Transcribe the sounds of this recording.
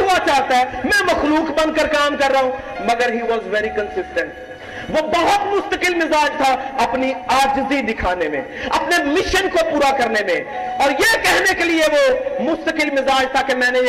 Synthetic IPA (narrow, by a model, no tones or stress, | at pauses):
ɦʊat͡ʃaːɦt̪aɦɛmɛ̃mɐxluːkbɐ̃nd̪kəɾkaːmkɐɾːaːɦũ | mɐɡəɾɦiːʋɔzʋɛɾikə̃nsɪsʈə̃ɳʈ | ʋobɐɦʊt̪mʊst̪əkɪlmɪzaːd͡ʒt̪ʰaɐpniaːd͡ʒzid̪ɪkʰaːnemḛ̃ | ɐpnemɪʃənkopuːɾakɐɾnemḛ̃ | ɔːɾjekɛɦnekelieʋomʊst̪əkɪlmɪzaːd͡ʒt̪ʰakemɛ̃ːne